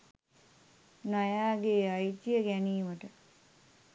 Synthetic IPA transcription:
najaːɡeːajt̪ijəɡæniːməʈə

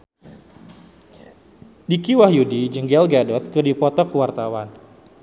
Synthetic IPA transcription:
dikiwahjudid͡ʒəŋɡɛlɡadɔt̪̚kɨrdipɔt̪ɔkəwart̪awan

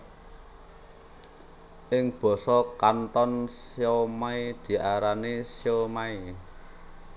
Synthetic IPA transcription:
ʔɪŋb̥ɔ̤sɔkant̪ɔnsjomaid̪̥i̤ʔaɾanisjomai

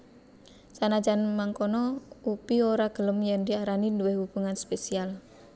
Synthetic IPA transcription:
sanad͡ʒanmaŋkɔnɔupioɾaɡ̥ələmjaŋdiaɾaninduwɪhwub̥uŋanspesial

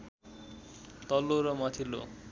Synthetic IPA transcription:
t̪ɔloɾʌmat̪ʰilo̰

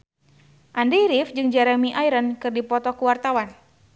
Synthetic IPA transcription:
ʔandɛɾifd͡ʒɨŋd͡ʒaɾamiʔajɾənkɨrdipɔt̪ɔkuwart̪awan

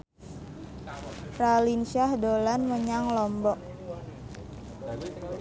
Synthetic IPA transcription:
fralinʃahdolanməɲaŋlɔmbɔk̚

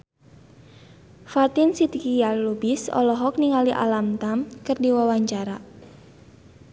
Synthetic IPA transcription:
fat̪insid̪kijalubɪsɔ̰lɔɦɔk̚niŋaliʔa̰lamt̪amkɨrdiwawaɲt͡ʃaɾa

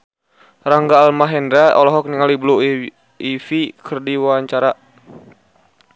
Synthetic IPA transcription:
ɾaŋɡaːlmaɦɛndɾaɔlɔɦɔk̚niŋaliblu | ifikʰərdiwaaɲt͡ʃaɾa

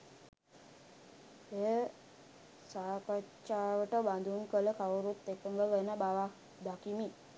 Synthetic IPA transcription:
e | sakət͡ʃaʋəʈəbãnd̪ʱunkəlekʰaʋoɾut̪ːekəŋɡəʋənabaʋa | d̪akimi

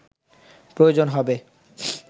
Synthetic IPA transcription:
pɾojod͡ʑonɦɔbe

